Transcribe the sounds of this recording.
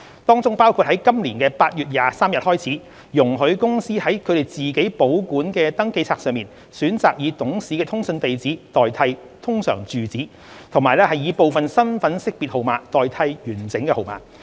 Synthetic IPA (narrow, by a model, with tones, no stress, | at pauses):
t̪ɔː˥ŋt͡sʊ˥ŋpaː˥wkʰu˧t̚hɐ˨˥jkɐ˥mliː˨˩nkɛː˧paː˧t̚jyː˨t̚jaː˨saː˥mjɐ˨t̚hɔː˥jt͡sʰiː˨˥ | jʊ˨˩ŋɦɵ˨˧ɥkʊ˥ŋsiː˥hɐ˨˥jkʰɵ˨˧ɾe˨˩jt͡siː˨ke˨˥jpo˨˥wkuː˨˥nkɛː˧t̪ɐ˥ŋke˧jt͡sʰaː˧ksœː˨˧ŋmiː˨n | syː˨˥nt͡saː˨k̚jiː˨˧t̪ʊ˨˥ŋsiː˨˥kɛː˧t̪ʰʊ˥ŋsɵ˧nt̪e˨jt͡siː˨˥t̪ɔː˨jt̪ʰɐ˧j | t̪ʰʊ˥ŋsœ̰ː˨˩ŋt͡syː˨t͡siː˨˥ | t̪ʰʊ˨˩ŋmaː˨˩jlɛː˥hɐ˨jiː˨˧po˨wfɐ˨nsɐ˥nfɐ˨˥nsɪ˥k̚piː˨t̚ho˨˩wmaː˨˥kt̪ɔː˨jt̪ʰɐ˧jjyː˨˩nt͡sɪ˨˥ŋkɛ˧ho˨wma̰ː˨k̚